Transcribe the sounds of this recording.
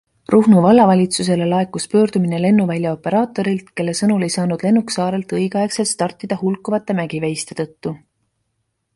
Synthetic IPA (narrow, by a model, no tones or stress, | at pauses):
ruhnuvɑlːɑvɑlʲit̪sus̬e̞lelɑe̞kːˑuspø̞ːɾd̪̥umine̞le̞nːuvælʲjɑo̞pe̞ɾɑːt̪ːˑo̞ɾilt̪ke̞lːe̞sɤnule̞jsɑːnud̪̥le̞nːuksɑːɾe̞lt̪ɤjɡ̥ɑe̞kse̞lt̪st̪ɑrt̪ːˑid̪̥ɑhulkːˑuvɑt̪ːˑe̞mæɡ̥ivejst̪e̞t̪ɤ̞t̪ːu